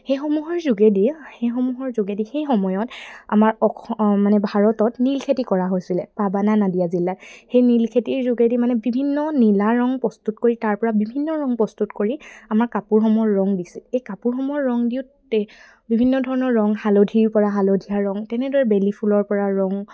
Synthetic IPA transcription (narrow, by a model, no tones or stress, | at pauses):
xejxɔmuɦɔɹzuɡedixejxɔmuɦɔɹzuɡedixejxɔmɔjɔta̰maɹɔkʰmanɛbʱaɹɔtɔtnilkʰetikɔɹaɦojsilɛpabananadijazilːatxejnilkʰetiɹzuɡedimanɛbibʱinːɔnilaɹɔŋpɹɔstutkoɹitaɹpɔɹabibʱinːɔɹɔŋpɔstutkoɹiamaɹkapuɹxɔmɔɔjɔɹːɔŋdisilejkapuɹxɔmɔɔːɔŋdiʊt | ɛ | bibʱinːɔdʱɔɹɔnɔɹːɔŋhalodʱiɹpɔɹaɦalodʱiaɹɔŋtɛnɛdɔɹɛbelipʰulɔɹpɔɹaɹɔŋ